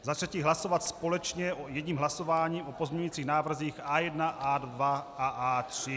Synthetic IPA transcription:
zat̪r̥ɛciːɦlaso̞vat̪spo̞lɛt͡ʃɲɛʔojɛdɲiːmɦlaso̞vaːɲiːʔopozmɲujit͡siːɣnaːvr̩ziːxaːjɛdnaʔadvaaʔaːt̪r̥ɪ

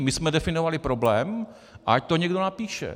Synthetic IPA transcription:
mɪsmɛdɛfɪnovalɪpɾo̞blɛːm | ʔa̰ac̚t̪oɲɛɡdonapiːʃɛ̰

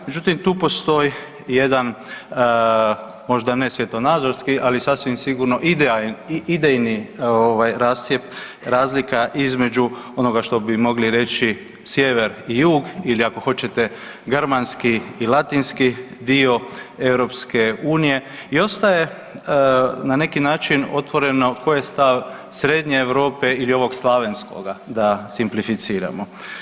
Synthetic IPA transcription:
me̞d͡ʒut̪imt̪uːpo̞st̪o̞ji | je̞d̪an | mo̞ʒd̪ane̞sʋje̞t̪o̞naːd̪zo̞ɾskiʔalisasʋimsiɡuɾno̞ʔid̪eid̪ejnioʋajɾaːst̪sjep | ɾaːzlikaʔizme̞d͡ʒuo̞no̞ɡaʃt̪o̞bimo̞ɡliɾe̞t͡ʃi | sje̞ʋe̞ɾijuːɡiliako̞xo̞t͡ʃe̞t̪e̞ | ɡɾmanskiːlˠat̪inskid̪io̞e̞ʋɾo̞ːpske̞uːnije̞ | io̞st̪aje̞ | nane̞kinaːt͡ʃino̞t̪ʋo̞ɾe̞no̞ko̞jest̪aʋ | sɾe̞d̪ɲeːʋɾo̞ːpeilio̞ʋo̞ɡslˠaʋe̞nsko̞̰ɡad̪asimplifit̪siːɾa̰mo

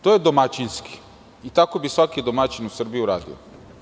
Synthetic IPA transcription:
t̪oːjed̪omat͡ɕinski̥ | it̪ako̞bisʋakid̪omat͡ɕinusr̩bijuɾa̰ːd̪ḭo̰

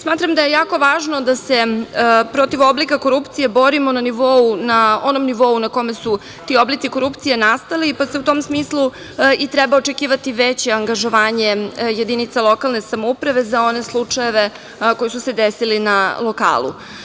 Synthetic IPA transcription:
smaːt̪ɾamd̪aje̞jaːko̞ʋaːʒnod̪ase̞pɾo̞t̪iʋo̞blikakoɾupt̪sije̞bo̞ɾimo̞naniʋo̞unaonomniʋo̞unako̞me̞su | t̪io̞blitsiko̞ɾupt̪sije̞nast̪alipase̞ut̪o̞ːmsmiːslˠu | it̪ɾɛbaot͡ʃekiːʋat̪iʋet͡ɕeaŋɡaʒo̞ʋaːɲeje̞d̪init̪salˠo̞kalˠnesamoupɾaʋe̞zao̞ne̞slˠut͡ʂajeʋe̞ | ko̞jisuse̞d̪esilinalˠo̞ka̰ːlˠṵ

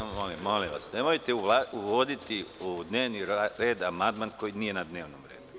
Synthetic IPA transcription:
molimːo̞liʋa̰sne̞mojt̪euuʋo̞d̪it̪iud̪ne̞ːʋniɾe̞ːd̪amand̪manko̞jinije̞nad̪ne̞ːʋnomɾeːd̪u

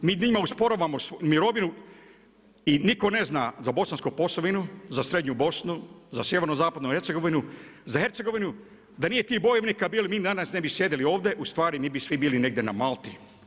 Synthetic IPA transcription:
miːnimauspo̞ɾoʋamosmiɾo̞ʋinu | iniko̞ne̞znaːzabo̞sanskupo̞soʋinuzasɾe̞d̪ɲubo̞snuzasjeʋe̞ɾnozaːpad̪noheɾt̪seɡo̞ʋinuzahe̞ɾt̪seɡo̞ʋinu | d̪anije̞t̪iːbo̞jeʋnikabiːlimiːd̪anasnebisje̞d̪elio̞ːʋd̪e̞ʔust̪ʋaːɾimiːbisʋibiːline̞ɡ̚d̪ena̰maːlˠt̪i

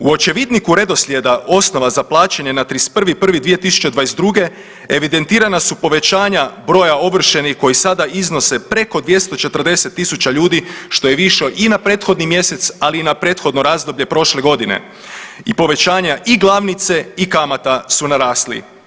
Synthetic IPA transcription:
uo̞t͡ʃe̞ʋid̪nikuɾe̞d̪o̞slje̞d̪aʔo̞sno̞ʋazaplˠaːt͡ʃaɲe̞nat̪ɾispr̩ʋipr̩ʋid̪ʋije̞t̪isu̥t͡ɕed̪ʋaːjesd̪ɾuɡe̞ | eʋid̪e̞nt̪iːɾanasupo̞ʋe̞t͡ɕaːɲabɾo̞ːjao̞ʋr̩ʃe̞nixko̞jisad̪aizno̞se̞pɾe̞ko̞d̪ʋje̞st̪o̞t͡ʃe̞t̪r̩d̪e̞se̞t̪ːisut͡ɕaʎuːd̪iʃt̪o̞je̞ʋiʃo̞ʔinapɾe̞ːt̪xo̞d̪nimje̞se̞t̪saliːnapɾe̞ːt̪xo̞d̪no̞ɾaːzd̪o̞bʎe̞pɾo̞ʃle̞ɡo̞d̪ine̞̰ | ipo̞ʋe̞t͡ʃaːɲaʔiɡlˠaʋnit̪se̞ikamat̪asunaɾaːslḭ

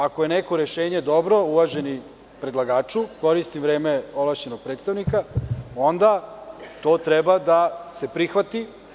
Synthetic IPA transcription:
ako̞je̞neko̞ɾeʃeːɲe̞d̪o̞bɾo̞uʋaʒe̞ni | pɾed̪lˠaɡaːt͡ʃuko̞ɾist̪imʋɾe̞ːmeolˠaʃɲenoɡ̚pɾet̪st̪aʋnikao̞nd̪at̪o̞ːt̪ɾebad̪ase̞pɾixʋat̪i

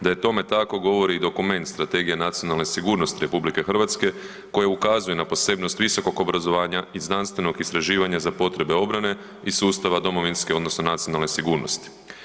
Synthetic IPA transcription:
d̪aje̞t̪o̞me̞t̪ako̞ɡo̞ʋo̞ɾiːd̪o̞kume̞nt̪st̪ɾat̪e̞ːɡijenat̪sijo̞nalˠnesiɡuːɾno̞st̪iɾe̞publike̞xr̩ʋat̪ske̞ | ko̞jaukazujenapo̞se̞bno̞st̪ʋiso̞ko̞ɡo̞bɾazo̞ʋaːɲaiznanst̪ʋe̞no̞ɡist̪ɾaʒiːʋaɲazapo̞t̪ɾe̞be̞o̞bɾane̞ | isuːst̪aʋad̪o̞mo̞ʋinskeo̞d̪no̞sno̞nat̪sionalˠne̞siɡuːɾno̞st̪i̥

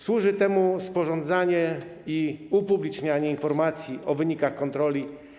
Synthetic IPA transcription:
swuʐɘt̪ɛmuspɔʐɔnd̪zaɲɛiupublʲit͡ʂɲaɲɛinfɔɾmat̪sʲjiʔɔvɘɲikaxkɔnt̪ɾɔlʲi

